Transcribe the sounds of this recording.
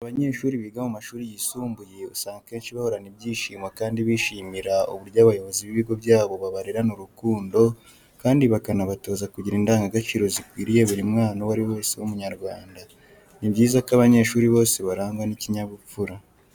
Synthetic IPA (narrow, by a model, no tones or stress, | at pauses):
aβaɲe̞ːʃuːɾiβiɡamumaʃuːɾijisuːmbuje̞usaːŋɡake̞ːnʃiβaho̞ɾanibjiːʃiːmwakaːndiβiʃiːmiɾaṵβuɾɟaβajo̞βo̞ziβiβiɡo̞bjaːβo̞βaβaɾiɾanuɾukuːndo̞ | kaːndiβakanaβato̞ːzakuɟiɾindaːŋɡaɡat͡ʃiːɾo̞zikwiːɾijeβuɾimŋaːnawaɾiwo̞ːsewumuɲaɾɡwaːnda | nibɟiːzakaβaɲe̞ːʃuːɾiβo̞ːse̞βaɾaːŋɡwaniciɲaβufuɾa